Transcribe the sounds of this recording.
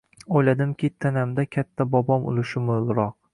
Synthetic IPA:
ojlad̪ɪmkʲʰit̪ʰːanamd̪akʲʰat̪ʰːabɒbɒmʊ̰lˠʊʃɪmʊlˠɾɒq̚

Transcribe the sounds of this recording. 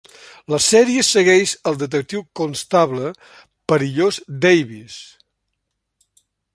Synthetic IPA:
ləsɛɾiəsəɣɛʃəlˠd̪ət̪̬ək̚t̪iwkonst̪aβlə | pəɾiʎozd̪ɛjβis

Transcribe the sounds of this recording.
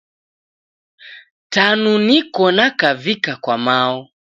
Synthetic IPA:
tanunikɔnakavikakwamaɔ

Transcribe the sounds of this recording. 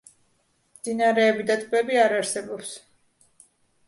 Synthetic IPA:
md̪zinaɾɛːbid̪at̪ʼbɛbiaɾaɾsɛbɔps

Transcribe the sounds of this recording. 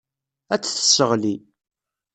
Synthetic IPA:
æt͡sːθə̥sːəʁli

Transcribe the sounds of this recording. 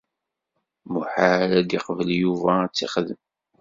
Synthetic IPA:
muħaɾæd̪iqvəljuvæt͡sːiχðəm

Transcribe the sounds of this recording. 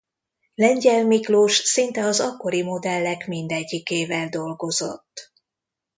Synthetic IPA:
lɛɲɟɛlmikloːʃsint̪ɛɒzɒkːo̞ɾimo̞d̪ɛlːɛkmind̪ɛɟːikeːvɛld̪o̞lɡo̞zo̞̰t̪ː

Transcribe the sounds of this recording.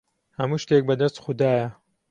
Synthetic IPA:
hɐmuːʃt̪ek̚bɐd̪ɐst̪xʊd̪aːjɐ

